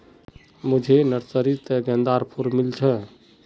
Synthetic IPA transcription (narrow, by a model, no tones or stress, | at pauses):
mud͡ʒʱenəɾsəɾit̪ɡə̃nd̪aɾpʰuɾmilt͡ʃʰə